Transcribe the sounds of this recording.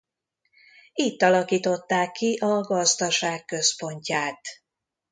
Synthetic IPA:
iːt̪ːɒlɒkiːt̪o̞t̪ːaːkʰːiʔɒɡɒzd̪ɒʃaːkkːø̞spo̞ɲcaːt̪

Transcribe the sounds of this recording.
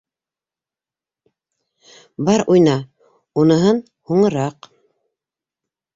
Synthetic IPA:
bɑɾujnɑ | unɤ̆ɦɤn | huɴɤ̆ɾɑq

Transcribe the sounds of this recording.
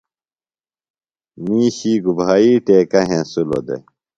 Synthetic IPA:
miːɕiːɡubʱaːiːʈeːkɐɦẽːsulo̰d̪ḛ

